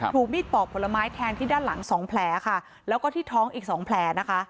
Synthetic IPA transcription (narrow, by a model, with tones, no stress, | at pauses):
t̪ʰuː˨˩k̚miː˥˩t̪̚pɔː˨˩pʰːo˩˦la˧maː˦˥jt̪ʰɛː˧ŋt̪ʰiː˥˩daː˥˩nla˩˦ŋsɔː˩˦ŋpʰlɛː˧˥kʰa˥˩ | lɛː˦˥wkɔː˥˩t̪ʰiː˥˩t̪ʰɔː˦˥ŋʔiː˨˩k̚sɔː˩˦ŋpʰlɛː˧˥na˦˥kʰa˦˥ʔ